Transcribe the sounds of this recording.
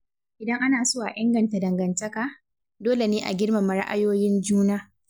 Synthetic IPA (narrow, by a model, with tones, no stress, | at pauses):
ʔɪ˨dɐ˦ŋʔa˦naː˨sʊ˦waː˨ʔɪ˦ŋɡɐ˨nta˨dɐ˨ŋɡɐ˨ntɐ˦kaː˨ | doː˦le˨neː˦ʔa̰˨ɡʲɪ˦ɽma˨mɐ˨ɽa̰˦ʔa̰˦joː˦jɪ˦nd͡ʒuː˦naː˦